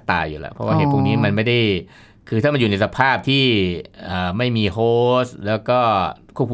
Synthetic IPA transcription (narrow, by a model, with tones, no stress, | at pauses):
t̪a̰ː˧jṵː˨˩lɛ̰˦˥pʰɔ˦˥waː˥˩eː˧˩pʰu˥˩ŋniː˦˥ma˧nma˥˩jda˥˩j | kʰɯː˧t̪ʰaː˥˩ma˧njuː˨˩na˧jsa˧pʰaː˥˩p̚t̪ʰiː˥˩ʔəː˨˩ma˥˩jmiː˧ɦoː˦˥˩slɛː˦˥wkɔː˥˩kʰu˥˩p̚k